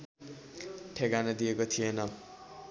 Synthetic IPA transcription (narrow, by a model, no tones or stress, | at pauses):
ʈʰekanʌd̪iekot̪ʰijenʌ